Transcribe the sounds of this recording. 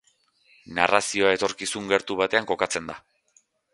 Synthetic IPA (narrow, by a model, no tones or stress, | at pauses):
narasio̞ae̞t̪o̞ɾkisuŋɡe̞ɾt̪uβat̪e̞aŋko̞kat͡se̞nd̪a